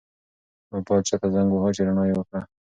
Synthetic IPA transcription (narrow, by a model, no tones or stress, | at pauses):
abɑd̪̚t͡ʃat̪azaŋɡohat͡ʃeɾaɳɑjwəkɽa